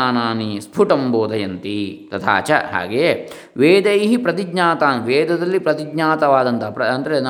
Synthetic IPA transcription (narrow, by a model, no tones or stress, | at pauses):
aːnaːnispʰuʈɐmboːd̪ɐjɐnt̪it̪ɐt̪ʰa̰ːt͡ʃɐ̰ɦa̰ːɡeje | ʋeːd̪ejɦipɾɐt̪iɡɲaːt̪aːnʋeːd̪ɐd̪ɐlːipɾɐt̪iɡɲaːt̪ɐʋaːd̪ɐnt̪ɐɾɐɐnd̪ɐɾen